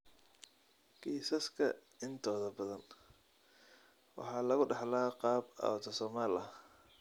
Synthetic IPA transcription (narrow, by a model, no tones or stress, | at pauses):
kʰiːsɐskʰɐ | ɪnt̪ʰɔːðɐbɐðɐn | wɑ̰ħɑːlɐɣʊɖɑħlaːqɑːbɐ̰wt̪ʰɔsɔːmaːlɐ